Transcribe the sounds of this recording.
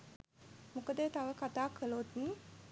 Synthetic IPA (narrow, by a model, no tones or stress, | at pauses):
mukəd̪ət̪aʋəkat̪aːkələot̪niː